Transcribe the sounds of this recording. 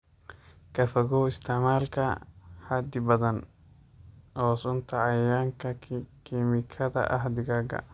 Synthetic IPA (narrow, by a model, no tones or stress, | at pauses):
kʰɐfɐɣɔːɪst̪ʰɐmaːlkʰɐhɐd̪ɪbɐðɐn | hɔːsʊnt̪ʰɐɑjaːŋkʰɐkʰimɪkʰɐðɐ̰ʔɐɦd̪ɪɡaːɡɐ̰